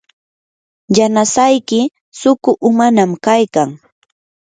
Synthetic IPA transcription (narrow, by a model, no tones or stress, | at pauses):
janasajkɪ | sʊkʊʔʊmanamkajkaŋ